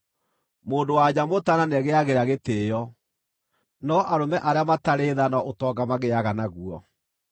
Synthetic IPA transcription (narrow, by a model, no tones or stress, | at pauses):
moːndowaɲamotananɛɣeaɣeɾaɣeteːjɔ | nɔʔaɾomɛʔaɾeamataɾeðanaotɔːɡamaɣeaɣanaɣuɔ